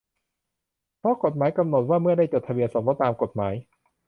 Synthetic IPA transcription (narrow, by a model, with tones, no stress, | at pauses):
pʰɾɔ˦˥ko˨˩t̪̚maː˩˦jka˧mno˨˩t̪̚waː˥˩mɯ˥˩ədaː˥˩jt͡ɕoː˨˩t̪ʰa˧wi˧ənso˨˩˦mlɔ˦˥t̪ːaː˧mko˨˩t̪̚maː˩˦j